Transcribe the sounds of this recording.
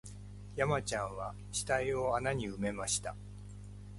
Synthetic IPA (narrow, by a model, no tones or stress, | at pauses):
jamat͡ɕãɰ̃βa | ɕi̥t̪aio̞anaɲ̟iɯ̟me̞maɕi̥t̪a